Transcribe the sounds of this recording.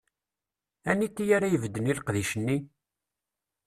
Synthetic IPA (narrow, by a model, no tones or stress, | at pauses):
ænːit̪ːijaɾajəvəd̪ːənilqðiʃənːi